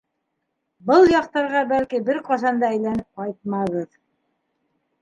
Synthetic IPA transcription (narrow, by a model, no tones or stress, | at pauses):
bɤlˠjɑqt̪ɑɾʁɑbælkibɘɾqɑsɑnd̪ɑæjlænɘp̚qɑjt̪̚mɑʁɤð